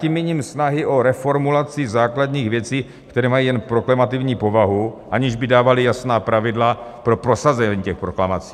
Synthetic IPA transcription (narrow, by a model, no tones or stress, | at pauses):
cimːɪɲiːmsnaɦɪʔo̞ɾɛfo̞ɾmulat͡sɪzaːkladɲiːɣvjɛt͡siː | kt̪ɛɾɛːmajiːjɛnpɾo̞klamat̪ɪvɲiːpo̞vaɦuʔaɲɪʒbɪdaːvalɪjasnaːpɾavɪdlapɾo̞pɾo̞sazɛɲiːcɛxpɾo̞klamat͡si̥ː